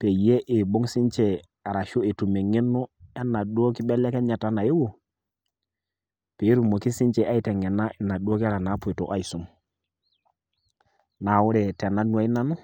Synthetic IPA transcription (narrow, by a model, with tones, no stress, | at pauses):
pe˨je˦ʔe˨ɓo˦ŋsi˦nt͡ʃɛ˨ | a˨ɾa˨ʃo˦e˨tu˨me˨ŋe˦nːu˦ɛ˦nːa˨du˦o˦ki˦ɓɛ˦lɛ˦kɛ˦ɲa˨ta˦na˨je˦wo˨ | pe˨i˦ɾu˨mo˨ki˦si˦nt͡ʃɛ˨ʔa˦i˦tɛ˨ŋɛ˨na˦ʔɛ˨na˨do˦ki˦a˦ɾa˨na˨˦pu˨i˨to˨ʔa˦i˨su˨˦ŋ | na˨wu˦ɾɛ˨tɛ˨na˦nu˨a˨i˦na˦nu˦